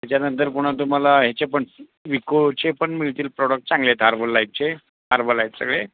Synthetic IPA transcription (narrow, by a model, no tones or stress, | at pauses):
t̪at͡ɕanənt̪əɾpuɽ̃at̪̬um̤alaɦet͡ɕepəɳ | ʋikot͡ɕepəɳmilʈ̪iːlpɾɔɽək̚ʈ̚t͡sãŋɡlet̪ɦaɾbəlːajp̚t͡ɕe | ɦaɾbəlajp̪sə̰ɡɭe